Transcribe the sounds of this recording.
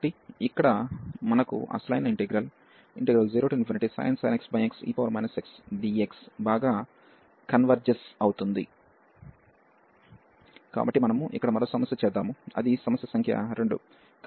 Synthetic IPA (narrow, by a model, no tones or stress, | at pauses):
ʈːiikːɐɽɐmɐnɐkṵʔɐ̰ːslɐjɐnɐiɳʈeɡɾɐl | iɳʈeɡɾɐld͡ʒiːɾoːʈjunifɐɾsiʈisa̰ːjɐnsɐ̰jneksbɐjeksḭːpɐʋɐɾmɐ̰jnɐseksɖieksbaːɡaː | kɐnʋɐɾd͡ʒɐsɐwut̪und̪ḭ | ka̰ːbɐʈːimɐnɐmuʔḭkːɐɽɐmɐɾoːsɐmɐsjɐt͡ʃɛːd̪ːaːmuɐ̰d̪isɐmɐsjɐsɐŋkʰjɐ̰ɾe̞ɳɖṵ | k